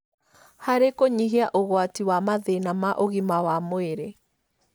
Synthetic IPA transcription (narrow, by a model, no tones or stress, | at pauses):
haɾekoɲiɦiaʔoɣwatiwamaðenamaʔoɣimawamoeɾe